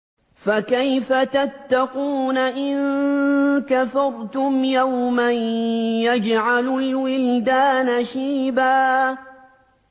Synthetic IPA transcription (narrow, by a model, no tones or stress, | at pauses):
fakajfat̪at̪ːɑquːnaʔɪn | kafɑɾˤt̪ʊmjawmanjad͡ʒʕalʊlwɪld̪aːnaʃiːbaː